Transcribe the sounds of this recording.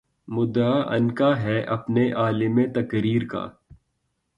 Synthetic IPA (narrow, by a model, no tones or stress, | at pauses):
mʊd̪aʔɐ̰nkaɦɛʔɐpneʔaːlɪmẽt̪ɐkɾiːɾka̰ː